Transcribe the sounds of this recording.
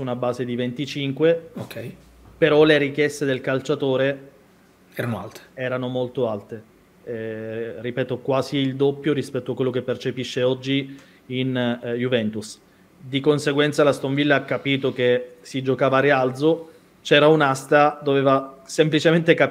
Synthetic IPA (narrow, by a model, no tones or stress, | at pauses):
sunabaːzed̪ivent̪it͡ʃiŋkweokʰɛj | peɾɔleɾikjɛst̪ed̪elkalt͡ʃat̪oːɾe | ɛɾanoa̰lt̪e̥ɛːɾanomolt̪oalt̪e | ripɛːt̪okwaːziːld̪opːjoɾispɛt̪ːoakːwelːokepːert͡ʃepiʃːeɔd͡ʒːiː | njuvɛnt̪us | d̪ikonseɡwɛnt̪salast̪oɱvilːaakːapiːt̪ok̟esid͡ʒokaːvaɾeald̪zo | t͡ʃɛːɾaunast̪ad̪oveːvasemplit͡ʃement̪eka